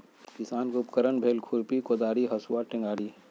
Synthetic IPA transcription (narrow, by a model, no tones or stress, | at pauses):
kɪsaːnkʊpkəɾəɳbʱeːlkʰuɾpikod̪aːɾiɦɐsuwaʈɪ̃ŋɡaːɽi